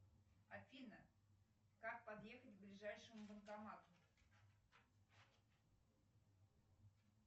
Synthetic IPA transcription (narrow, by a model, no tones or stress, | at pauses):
a̰fʲinə | kak̚pad̪jexətʲblʲiʐajʂəmubənkamɑt̪ʊ